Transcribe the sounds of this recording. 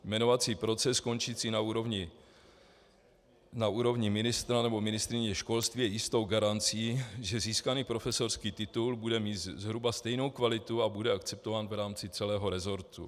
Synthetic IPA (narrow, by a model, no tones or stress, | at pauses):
jmɛno̞vat͡siːpɾo̞t͡sɛsko̞nt͡ʃit͡siːnauɾovɲɪ | nauːɾo̞vɲɪmɪnɪst̪ɾanɛbo̞mɪnɪst̪ɾɪɲɛʃko̞lst̪viːjɛjɪst̪owɡaɾant͡siːʒɛziːskaniːpɾo̞fɛso̞rskiːt̪ɪt̪ulbudɛmiːt̪zzɦɾubast̪ɛjno̞wkvalɪt̪uabudɛakt͡sɛp̚t̪ovaːnvɾaːmt͡sɪt͡sɛlɛːɦo̞ɾɛzo̞ɾt̪ṵ